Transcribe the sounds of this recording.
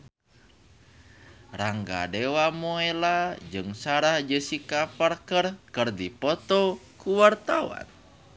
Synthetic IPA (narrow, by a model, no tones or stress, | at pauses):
raŋɡa̰dɛwamoelad͡ʒɨŋsaɾahd͡ʒəsikaparkərkərdipɔt̪ɔkuwart̪awa̰n